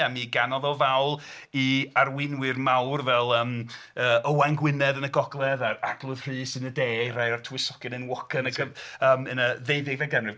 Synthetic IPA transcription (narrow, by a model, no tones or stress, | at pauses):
amiɡanɔðɔvawlˠiarwɪnwɪrmawrvɛlˠəːm | əːəwaŋɡwɪnɛðənəɡɔɡlˠɛðaraɡlˠʊð̥r̥ɨːsɨnədeːrajɔrtʰuwɪsɔɡ̥ɪnɨnwɔkʰənəɡəəːmənəðejðɪɡvɛɡɛmrɨ